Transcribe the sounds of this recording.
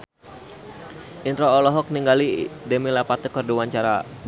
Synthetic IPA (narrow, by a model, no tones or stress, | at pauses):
ʔint̪ɾoːlɔɦɔk̚niŋɡalidɛmilapat̪əkərduwaɲt͡ʃaɾa